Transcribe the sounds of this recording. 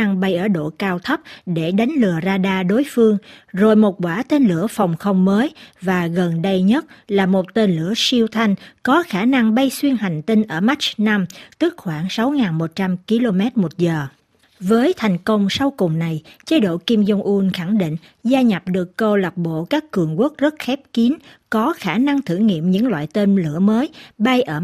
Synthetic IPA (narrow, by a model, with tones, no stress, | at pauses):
ŋɓa˧jʔəː˧˩ɗo̰˧˨kaː˧wt̪ʰə˦˥p̚ɗe˧˩ɗa˨˦jŋ̟lɨ˨˩əzaː˧ɗaː˧ɗo˨˦jfɨ˧əŋzo˨˩jmo˨˩t̚kwaː˧˩t̪e˧nlɨ̰˧˩əfa˨˩wŋ͡mxə˧wŋ͡mməː˨˦jvaː˨˩ɣə˨˩nɗə˧jɲə˦˥t̚laː˨˩mo˨˩t̚t̪e˧nlɨ˧˩əsi˧wt̪ʰa˧jŋ̟kɔ˨˦xaː˧˩na˧ŋɓa˧jswi˧ənha˨˩jŋ̟t̪ï˧ŋ̟ʔəː˧˩ma˦˥t͡ɕ̚na˧mt̪ɨ˦˥k̚xwaː˧˩ŋsa˨˦wŋaː˨˩nmo˨˩t̚t͡ɕa˧mki˧lo˧mɛ˦˥t̚mo˨˩t̚zəː˨˩ | vəː˨˦jt̪ʰa˨˩jŋ̟kə˧wŋ͡msa˧wkʊ˨˩ŋ͡mna˨˩jt͡ɕə˨˦jɗo̰˧˨ki˧mzə˧wŋ͡mʔu˧nxa˧˩ŋɗḭ˧˨ŋ̟ | zaː˧ɲa˨˩p̚ɗɨ˨˩əkːə˧wla˨˩p̚ɓo̰˧˨kaː˦˥kːɨ˨˩əŋku˦˥ək̚zə˦˥t̚xɛ˦˥p̚ki˨˦n | kɔ˨˦xaː˧˩na˧ŋt̪ʰɨ˧˩ŋḭ˧˨əmɲɨ̰˧˥ŋlwa̰ː˧˨jt̪e˧nlɨ̰˧˩əməː˨˦jɓa˧jʔəː˧˩